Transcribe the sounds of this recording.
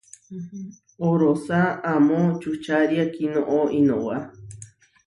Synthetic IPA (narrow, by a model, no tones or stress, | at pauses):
oɾosaamot͡ʃut͡ʃaɾjakinoʔoino̰wa